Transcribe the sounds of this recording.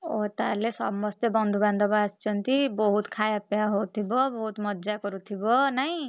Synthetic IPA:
ot̪aɾlesʌbːʌst̪ebʌnd̪ʱuband̪ʱʌbast͡sʰʌnt̪ibʌɦut̪kʰajapjaɦot̪ʰibʌbʌɦut̪mʌd̪d͡zakʌɾut̪ʰibʌnʌj̃

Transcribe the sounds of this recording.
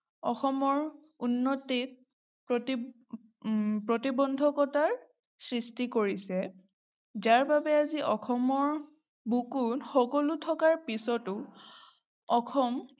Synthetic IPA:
ɔxɔmɔɹ | unːɔtit̚ | pɹɔti | pɹotibɔndʱɔkɔtaɹ | sɹistikoɹisɛ | zaɹbabɛaziʔɔxɔmɔɹ | bukunxɔkɔlutʰɔkaɹpisɔtʊ | ɔxɔm

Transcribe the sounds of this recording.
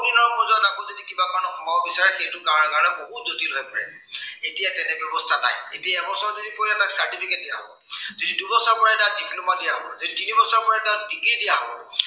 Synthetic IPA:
dinɔɹkmɔzɔnakozodikibakaɹɔnɔxɔmaɔbisaɹɛxejtʊkaɹɔnɛkaɹɔnɛboɦut̚zotilɔɛpɔɹɛ̰ | etijatɛnɛbjɔbɔstʰana̰jetijaɛbɔsɔɹɔzodikojnɛtaksaɹtipʰikɛt̚dijaɦbɔ̰ | zodidubɔsaɹpɔɹatandiklumadijaɦɔɹzoditinibɔsaɹpɔɹatandiɡɹidijaɦɔbɔɹ

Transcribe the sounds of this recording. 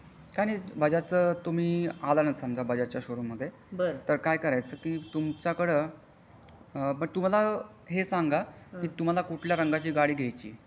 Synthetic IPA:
kaɽ̃iːbəd͡ʑat͡səːt̪um̤iːalanəsəmd͡ʑabʱəd͡ʑat͡ɕjaɕoɾumːəd̪ʱːje | bəɾt̪əɾkajkəɾajt͡səːkiːt̪umt͡ɕjakəɽə | mət̪um̤ala | ɦesaŋɡakiːt̪um̤alakuʈʰljaɾəŋɡat͡ɕiːɡaɽiːɡʱejt͡ɕḭː

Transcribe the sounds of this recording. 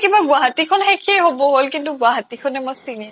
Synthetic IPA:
kibaɡʊaɦat̪ikʰɔnxekʰieɦobɔɦolkintuɡwaɦat̪ikʰɔnɛmojsini

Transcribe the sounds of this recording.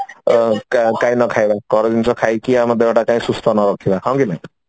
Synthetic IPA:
kkaĩnɔkʰajbakɔɾɔdint͡sʰɔkʰajkiamɔd̪ʱːebaʈakaĩsust̪ʰɔnɔɾɔkʰibaɦɔ̃w̃kinaj̃

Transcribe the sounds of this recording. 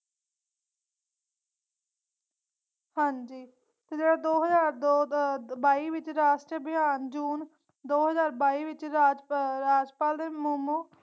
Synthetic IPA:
hãːɲd͡ʒiː | t̪eːd͡ʒeːɽaːd̪oːɦəzaːɾobaːiːʋɪt͡ʃɾaːʃʈɾəbɪaːnd͡ʒuːn | d̪oːɦəzaːɾbaːiːʋɪt͡ʃaːd͡ʒɾaːd͡ʒpaːld̪eːmʊmoː

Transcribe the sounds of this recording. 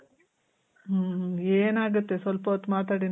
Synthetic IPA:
eːnaːɡut̪ːe̞sʋɐlpɐɔt̪ːumaːt̪aːɽin

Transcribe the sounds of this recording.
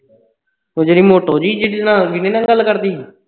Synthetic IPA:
toːd͡ʒeɽiːmoːʈoːd͡ʒiːd͡ʒeɽinãːʋɪnẽːnãːɡəlːkəɾd̪iː

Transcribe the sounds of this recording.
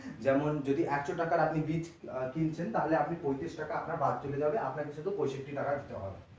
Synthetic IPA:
d͡ʑɛmond͡ʑod̪iʔɛkʃoʈakaɾapnibit͡ɕkint͡ɕʰent̪aɦoleapnipojt̪ɾiʃʈakaapnaɾbad̪̚ʱt͡ɕoled͡ʑabeʔapnaɾkeʃʰod̪upojʃep̚ʈiʈakad̪it̪eɦɔ̰bḛ

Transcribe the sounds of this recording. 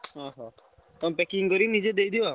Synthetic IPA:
ɦɔɦɔ̃ | t̪ɔmpɛkiŋkɔɾinid͡ʒed̪ejd̪iʋa

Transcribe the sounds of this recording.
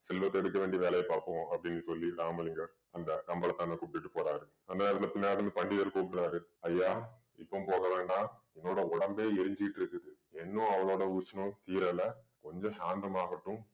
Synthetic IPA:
sɛlʋɐt̪ːɛɽɯkːɐʋeːɳɖiʋeːɭɐjɐpaːɾpɐ̃ɐpːɐɽɪnːɯsɔlːiɾaːmɐlɪŋɡɐɾ | ɐnd̪ɐkɐmbɐɭɐt̪ːãnːɐkupːɪʈːɯpoːɾaːɾɯ | ɐnd̪ɐneːɾɐt̪ɪlɐpɪnːaːɾɐʈːɐmepɐɳɖɪðɐɾkoːpɾaːɾɯɐjːaː | ɪpːɐmpoːɣɐʋeːɳɖãːɛnːoːɽɐɔɽɐmbeːɛɾɪɲd͡ʒɪkɪʈːɪɾɯkːɯðɯ | ɛnːʊ̃ɐʋɐɭoːɽɐʊsɐnʊ̃t̪iːɾɛlɐ | kɔɲd͡ʒɔ̃ʃaːnd̪ɐmaːɣɐʈːɯ̃

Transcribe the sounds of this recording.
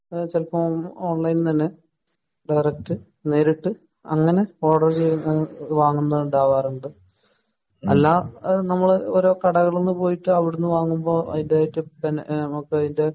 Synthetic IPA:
t͡ɕelkːɐmoːɳlɐjnt̪ɐnːe̞ | ɖɐjrɐk̚ʈɨ | ne̞ːɾiʈːɨ | ɐ̰ŋːɐne̞o̞ːɽɐrt͡ɕejuʋaːŋːunːɐðuɳɖaːʋaːruɳɖɨ | ɐ̰lːaːnɐmːɐɭoɾoːkɐɽɐɣɐɭenːɨpo̞ːjiʈːɨɐʋiɽunːɨʋaːŋːumbo̞ːʔɐ̰ðindaːjitːɨbennɐmokːɐðinde̞

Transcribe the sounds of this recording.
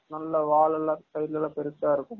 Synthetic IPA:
nɐlːɐʋaːɭɐlɐsɐjlɐlɐpɛɾɯt̪ːaːɪɾɯkːɯm

